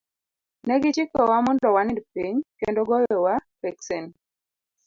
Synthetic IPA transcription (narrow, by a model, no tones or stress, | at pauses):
nɛɡɪt͡ʃikɔwamɔndɔwanɪdpiɲkendoɡɔjɔwapɛksɛn